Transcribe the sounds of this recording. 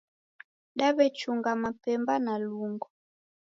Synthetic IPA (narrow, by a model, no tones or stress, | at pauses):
ɗaβɛt͡ʃuŋɡamapɛmbanaluŋɡɔ